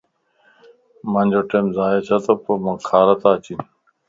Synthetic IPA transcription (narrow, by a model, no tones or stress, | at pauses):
mɐnʲd͡ʑoʈemzaːjet͡ɕʰɐt̪ɐpomɐkʰaːɾɐt̪aːt͡ɕin